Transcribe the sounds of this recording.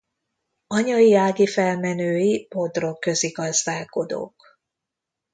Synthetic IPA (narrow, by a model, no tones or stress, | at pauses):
ɒɲɒiaːɡifɛlmɛnøːjipo̞d̪ro̞kːø̞ziɡɒzd̪aːko̞d̪o̰ːk